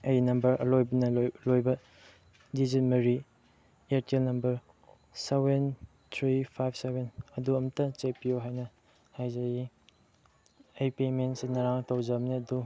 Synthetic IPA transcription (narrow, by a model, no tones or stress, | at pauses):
ɐjnɐmbɐɾɐ̰lojbɐnɐlojbɐ | dizit̚mɐɾi | eɾtelnɐmbɐɾ | seben | tʰɾipʰajb̚ʰsebenɐduɐmtɐt͡ʃepːijoɦajnɐ | hajzɐji | ejpemensinɐɾaŋtɐwzɐmniɐdu